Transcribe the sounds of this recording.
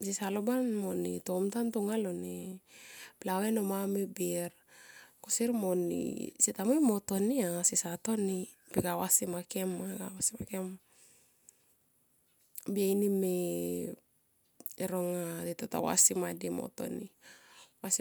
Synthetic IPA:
sisalobanmonḭtomtantuŋalone | plawenomamebiɾ | kosiɾmonḭsitamojmotoniasisato̞ni | pikawasimakemaɡawasimakem | biajnime | eɾoŋatitota̰wa̰simadimo̰to̞̰nḭ | was

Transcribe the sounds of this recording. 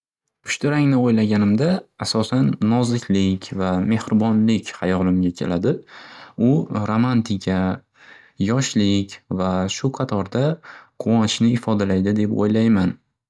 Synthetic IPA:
pʰʊʃt̪ɪɾaŋnɪojlaɡʲanɪmd̪aːsɒsanːɒzɪkʲʰlɪkʲvame̞hɾɪbɒnlɪkʲhajɒlˠɪmɡʲakʲʰḛlʔad̪ɪʊɾomant̪ʰɪkʲʰa | jɒʃlɪkʲvaʃʊqʰɑt̪ʰɒɾd̪aqʰʊwɒnɪ̥ʃnɪɪfɒd̪alajd̪ɪd̪e̞po̰jlajman

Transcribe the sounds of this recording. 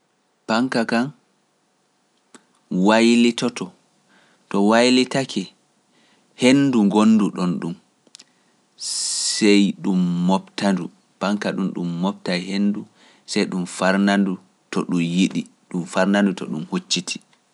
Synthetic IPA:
paŋkakan | wajlitɔtɔ | tɔwajlitakʰɛ | henduŋɡonːduɗɔnɗum | sɛjɗumːɔptandu | paŋkaɗunɗumːɔp̚tajhenːdu | sɛjɗumfaɾnandu | tɔɗumjiɗi | ɗumfaɾnandutɔ̰ɗumhot͡ʃːitʰi̥

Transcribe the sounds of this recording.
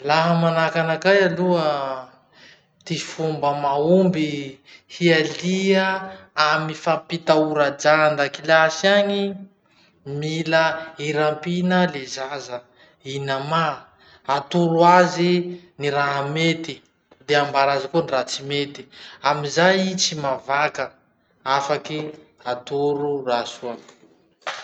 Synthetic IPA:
laɦəmanakanakajaluə | t̪ifumbəmaumbi | hialiəamifapit̪auɾad͡ʒand̪akilasiaŋi | miləiɾampinəlezazə | inama | at̪uɾuaziniɾaɦamet̪i | d̪eambaɾazakunrat͡simet̪i̥amizajit͡simavakə | afaki | at̪uɾurasua

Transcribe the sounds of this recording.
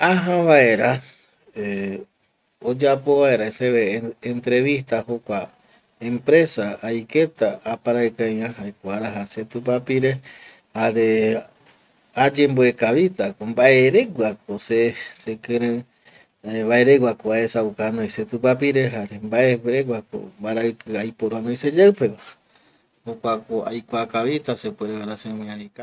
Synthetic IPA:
aɦãβae̞ɾa | e | od͡ʒapo̞βae̞ɾaeseeːnt̪ɾe̞βiht̪ahokʷa | ẽmpɾe̞saːjke̞t̪aapaɾaekajãɦaekʷaɾaɦaset̪up̬apiɾe | haɾe | ad͡ʒe̞mboekaβit̪akombaʔe̞ɾe̞ɡʷak̚osesekɨ̃ɾɨ̃ | βae̞ɾeɡʷwakoaesaukanõjset̪upapiɾe̞ɦaɾembaʔeɾeɡʷwako̰mbaɾaɨkɨajpoɾoanojsed͡ʒawpe̞βa | hokʷakoa̰jkʷakaβit̪asepweɾeβaɾasemĩãɾika

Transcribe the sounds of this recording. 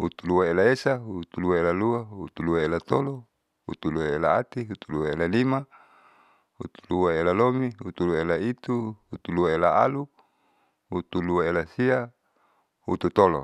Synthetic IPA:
hut̪uluwaelaesaɦut̪uluaelaluaɦut̪uluaelat̪olo | hṵt̪uluwaelaat̪iɦut̪uluaelalima | hṵt̪u̥luaelalomiɦut̪uluaelait̪uhut̪uluaelaa̰lu | hut̪uluaelasia | hut̪ut̪olo̰

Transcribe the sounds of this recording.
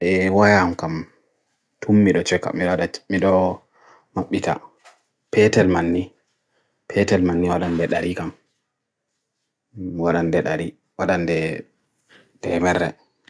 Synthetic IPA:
ʔɛwajamkam | tʰumːiɗɔt͡ʃɛkːa̰miɗɔaɗamiɗɔ | maɓːita̰ | pɛtɛlmanːi | pʰɛtɛlmanːiwaɗandɛɗaɾikam | waɗandɛɗaɾi | waɗandɛ | tɛmɛɾːɛ̰

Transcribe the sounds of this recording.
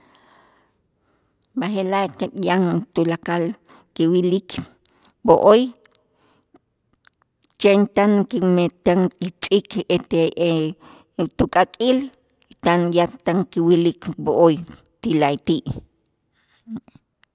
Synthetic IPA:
bahelakajaŋt̪ulakal | kiwilik | boʔoj | t͡ʃent̪ankimet̪aŋkit͡sʼiket̪ee | t̪ukʼakʼil | it̪anjat̪aŋkiwilikboʔoj | t̪ilat̪iːʔ

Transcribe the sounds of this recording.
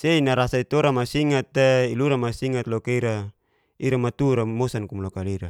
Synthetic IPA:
seinaɾasait̪oɾamasiŋat̪ːeiluɾamasiŋat̪lɔkeiɾa | iɾamat̪uɾamosankumlokaliɾa

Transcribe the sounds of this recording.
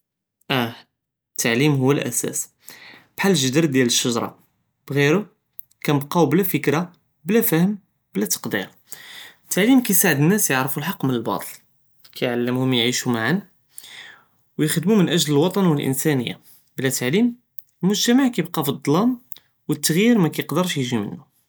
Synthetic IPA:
ʔæ | t̪ʰːaʕlimɦʊwːælʔæ̰sæ̰s | b̥ħalːəʒəd̪əɾd̪jæləʃːɑʒɾˤɑ̰ | b̥ɣiɾʊ | kænəbqɑwblæfəkɾa | blæfæhəm | blæt̪ɑ̥qd̪ḭɾ | t̪ʰːaʕlimkæjsaʕəd̪ənːæsjəʕɾfulħɑqːmənəlbɑ̰t̪ˤəl | kʰæjʕalːəmhʊmjʕiʃumaʕan | wjəxd̪mumənʔæʒləlwɑt̪ˤɑnwəlʔə̰nsænəjːa̰ | blæt̪aʕlim | əlmʊʒt̪æmaʕkæjbqɑfid̪ˤːlɑm | wət̪ːəɣjiɾmækæjəqd̪əɾˤʃjəʒimə̰nːu

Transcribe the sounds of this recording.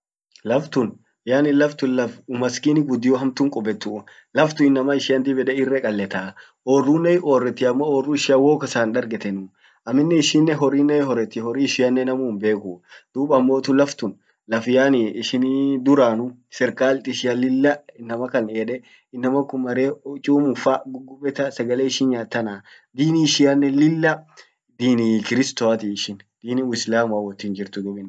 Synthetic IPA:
lɐft̪ʊn | jaːnɪlɐft̪ʊnlɐfʊmɐskinɪɡʊd̪ːɪjɔɦɐmt̪ʊŋkʼɔbɛt̪ːu | lɐft̪ʊɪnːɐmɐɪʃɪɐnt̪ɪbɛᶑɛɪrːɛkʼɐlːɛt̪ɐ | ʔorːuːnːɛʔoːrːɛt̪ːɪɐmːooːrːʊɪʃɪɐwoːkɐsaːnᶑ̪ɐɾɡɛt̪ɛnʊ | ʔɐmːɪnːɛɪʃiːnːɛɦɔɾiːnːɛɦɔɾːɛt̪ːɪhɔɾiːɪʃɪjɐnːɛnɐmuːmbe̞ːkʊd̪̥uːbɐmːoːt̪ʊlɐft̪ʊn | lɐfɪjaːniɪʃɪnid̪ʊɾaːnʊ | sɛɾkaːlt̪ʼɪʃɪjɐlɪlːɐɪnːɐmɐkɐneːᶑɛ | ɪnːɐmɐkːʊmːɐɾeːt͡ʃʼuːmʊfaɡʊɡʊbɛt̪ɐsɐɡɐleːɪʃɪnjaːt̪ːɐnaː | d̪iːniʃɪɐnːɛlɪlːɐ | d̪iːnikɪɾɪst̪oɐt̪iɪʃɪnd̪̥iːniʊɪslaːmʊɐwɔt̪ːiːnd͡ʒɪɾt̪ʊd̪ʊbɪn

